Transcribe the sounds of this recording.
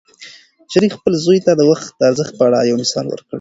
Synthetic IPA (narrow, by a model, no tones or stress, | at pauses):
ʃaɾixpəlzojt̪ad̪əwaxt̪̚d̪əaɾzəxt̪̚pəaɽa̰jawnɪsɑ̰nwə̰ɾkɽ